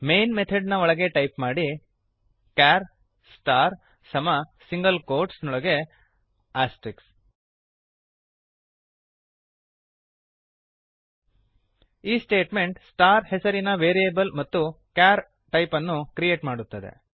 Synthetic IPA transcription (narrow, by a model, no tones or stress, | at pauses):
me̞jnmet̪ʰɐɖnɐɔɭɐɡe̞ʈɐjpmaːɽi | kaːɾ | sʈaːɾ | sɐmɐsiŋɡɐlkoːɾʈsnɔɭɐɡe̞ | aːsʈiks | iːsʈeːʈme̞ɳʈsʈaːɾhesɐɾinɐʋeːɾijɐbɐlmɐt̪ːukjaːɾ | ʈɐjpɐnːukɾije̞ːʈmaːɽut̪ːɐd̪e̞̰